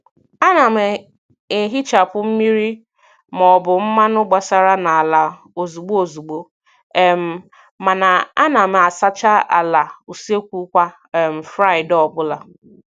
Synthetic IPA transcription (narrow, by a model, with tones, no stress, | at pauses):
a˦na˨me˨ | e˨ɦi˦t͡ʃa˨pʊ˦m̩˦mi˦ɾi˦ | m˨ɔ˨bʊ˨m̩˦ma˦nʊ˦ɡ͡ba˨sa˨ɾa˦na˨a˨la˨ | o˨zu˨ɡ͡bo˦o˨zu˨ɡ͡bo˨ | e˨m̩˨ | ma˨na˨a˦na˨m˨a˨sa˦t͡ʃa˦a̰˨la˨u˨se˦kʷu˦kʷa˦˨ | m̩˨fɾa˦ɪ˨dɔ˦˨bʊ˦la˨